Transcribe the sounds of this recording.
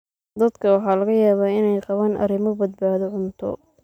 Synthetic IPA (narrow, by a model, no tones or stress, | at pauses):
d̪ɐd̪kʰɐwɑħɑːlɐɣɐjaːβaːɪnɛjqɑβaːnʔɐ̰ɾɪmɔbɐd̪̚baːðɔʕʊnt̪ʰɔ̰